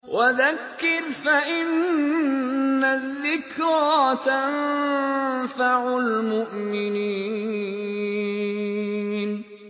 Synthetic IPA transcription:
wʔaðakːɪɾfaʔɪn | aðːɪkɾɑt̪an | faʕʊlmʊʔmɪniː | n

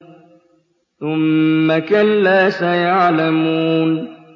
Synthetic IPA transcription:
θʊmːakalːaːsajaʕlamuuːn

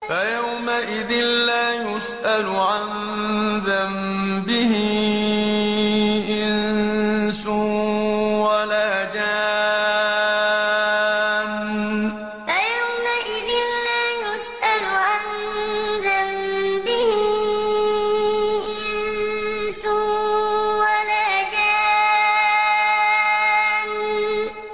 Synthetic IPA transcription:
fajawmaʔɪðɪnlaːjʊsʔalʊʕan | ðam | bɪhɪ | ʔɪnn | sʊ | walaːhd͡ʒaː | m | ajawmaʔɪðɪnːaːjʊsʔalʊʔan | zambɪhɪ | ʔɪn | sʊ | walad͡ʒaː | n

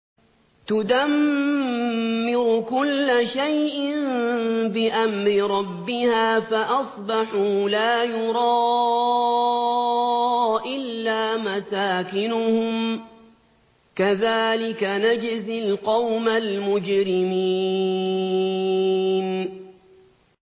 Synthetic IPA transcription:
t̪ʊd̪am | ɪɾʊkʊlːaʃajʔɪnbɪʔamɾɪɾˤɑbːɪhaːfaʔɑsˤbɑħuːlaːjʊɾˤɑː | ʔɪlːaːmasaːkɪnʊhʊm | kaðaːlɪkanad͡ʒɪzɪlqɑwmalmʊd͡ʒɾɪmiː | n

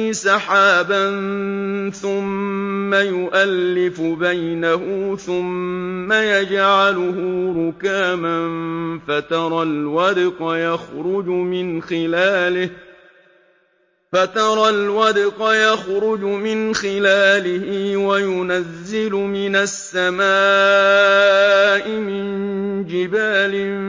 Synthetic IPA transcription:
sɑħaːban | θʊmːajʊʔalːɪfʊbajnahʊθʊmːajad͡ʒʕalʊhʊɾʊkaːmanfat̪ɑɾˤɑlwɑd̪qɑjaxɾʊd͡ʒʊmɪnxɪlaːlɪh | fat̪ɑɾˤɑlwɑd̪ɪqɑjaxɾʊd͡ʒʊmɪnxɪlaːlɪhɪwajʊnazːɪlʊmɪnasːamaː | ʔɪmɪnd͡ʒɪbaːlɪ

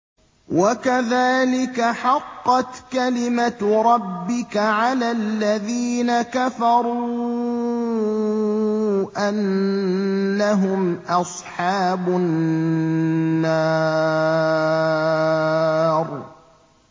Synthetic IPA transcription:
wʔakaðaːlɪkaħɑqːɑt̪kalɪmaɾˤɑbːɪkaʕalaːlːaðiːnakafɑɾˤuː | ʔanː | aɦʊmʔɑsˤħɑːbʊ | aː | ɾˤ

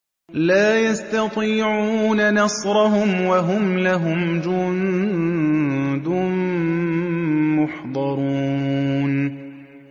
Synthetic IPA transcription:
laːjast̪ɑt̪ˤiːʕuːnanɑsɾˤɑɦʊmwaɦʊmlaɦʊmd͡ʒʊn | d̪ʊn | mʊħd̪ˤɑɾˤuːn

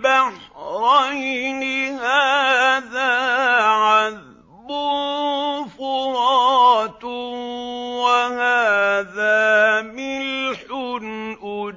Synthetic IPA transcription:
baħɾˤɑjnɪhaːðaːʕað | bʊ | fʊɾˤɑːt̪ | wahaːðaːmɪlħʊnʔʊ

